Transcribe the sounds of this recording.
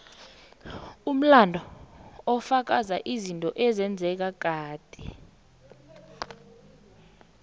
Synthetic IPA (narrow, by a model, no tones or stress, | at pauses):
um̩landʱɔɔfak̬azaʔizintʼɔʔɛzɛnd͡zʱɛk̬ak̬ʼaːd̥ʱi